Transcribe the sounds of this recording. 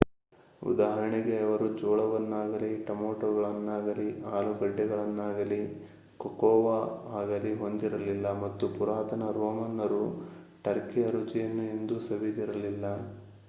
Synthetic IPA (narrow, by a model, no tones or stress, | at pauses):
ṵd̪aːɦɐɾɐɳiɡeɐʋɐɾud͡ʒɔːɭɐʋɐnːaːɡɐliʈɐmoːʈɐɡɐɭɐnːaːɡɐliaːluɡɐɖːɐɡɐɭɐnːaːɡɐli | kɔkɔːʋɐaːɡɐliɦo̞nd̪iɾɐlilːɐmɐt̪ːupuɾaːt̪ɐnɐɾɔːmɐnːɐɾuʈɐɾkiɐɾut͡ʃijɐnːue̞nd̪usɐʋid̪iɾɐlilːɐ